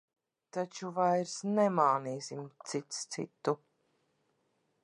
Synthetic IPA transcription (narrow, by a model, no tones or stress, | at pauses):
t̪at͡ʃuvajɾsnɛmaːniːsimt̪sit̪st̪sḭt̪ːu